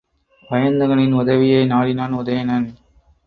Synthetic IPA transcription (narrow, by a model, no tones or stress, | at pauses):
pɐjɐnd̪ɐɣɐɭɪnʊðɐʋɪjɐɪnaːɽɪnaːnʊðɐjɐnɐn